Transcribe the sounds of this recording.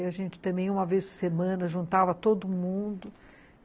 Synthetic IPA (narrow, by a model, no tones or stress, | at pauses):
ɐʒẽnt͡ʃɪ̥t̪ɐ̃bẽj̃ũmɐvejspʊɾsemɐ̃nɐʒũnt̪avɐt̪od̪ʊmũd̪ʊ